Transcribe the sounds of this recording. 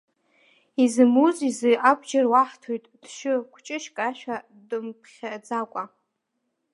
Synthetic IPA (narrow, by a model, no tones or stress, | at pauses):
izɨmuzizɨʔabd͡ʒarwaħtʰojtʼd̥ʃʷᶣɨkʷʰt͡ʃʼɪʃkʼaʃᶣa | dɨmpʰχʲad͡zakʷʼa